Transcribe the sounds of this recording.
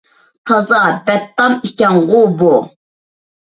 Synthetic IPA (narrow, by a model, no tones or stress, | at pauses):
t̪ʰɑzɑbɛt̪ːɑmikʲɛŋʁubu